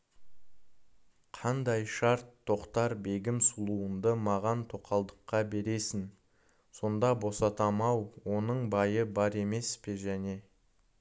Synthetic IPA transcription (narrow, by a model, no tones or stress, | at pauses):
qʰɑnd̪ɑjʃɑɾt̪ʰːo̞qt̪ɑɾbe̞ɡʲɪmsulˠuənd̪əmɑʁɑnt̪ʰo̞qʰɑlˠd̪əqːɑbe̞ɾe̞sɪn | so̞nd̪ɑbo̞sɑt̪ɑmɑwwo̞nəɴbɑjəbɑɾe̞me̞spe̞ʒæne̞